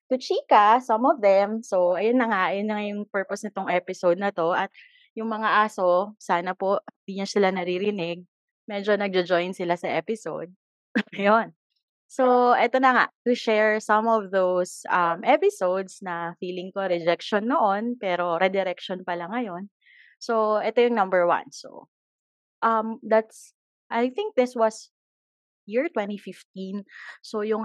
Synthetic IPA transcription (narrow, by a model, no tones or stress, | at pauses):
t̪ʊt͡ʃiːkɐsɐmɔvðɛmsoʔɐjonːɐŋaʔɐjonːɐŋajʊŋpɛɹposnɐt̪oŋʔɛpɪsowd̪̚nɐt̪o̞ʔɐt̪̚ | jʊŋmɐŋaʔaːsosaːnɐpo̞ʔhɪnd̪iːɲɐsɪlanɐɾiɾɪnɪɡ̚ | mɛd͡ʒonɐɡ̚d͡ʒɐd͡ʒojnsɪlasɐʔɛpɪso̰wd̪̚ | ɐjon | soʔɛt̪onɐŋaʔt̪uʃɛɹsɐ̃mɔvðowsʔɐmʔɛpɪsowd̪snɐfiːlɪŋkoɾɛd͡ʒɛk̚ʃɔnːoʔonpɛːɾo̞ɾɛd̪ɛɾɛk̚ʃɔnpɐlɐŋːɐjo̞n | so̞ʔɛt̪ojʊŋnɐ̃mbɛɹwɐ̰̃nso̰ | ʔɐmd̪at̪s | ʔajθɪ̃ŋk̚d̪ɪswɐs | jiɹt̪wɛ̃nt̪ifɪft̪̚insojʊŋ